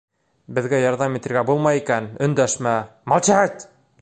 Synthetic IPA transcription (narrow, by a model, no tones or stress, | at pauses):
bɘ̆ðɡæjɑɾðɑmit̪ɘ̆ɾɡæbulˠmɑjikænɵ̆nd̪æʃmæmɑlˠt͡ɕæt̪